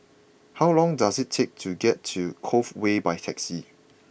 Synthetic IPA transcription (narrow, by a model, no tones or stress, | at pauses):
hawlɔ̃ŋdasɪtʰːek̚tʰuɡɛtʰːukʰofwebajtʰɛksi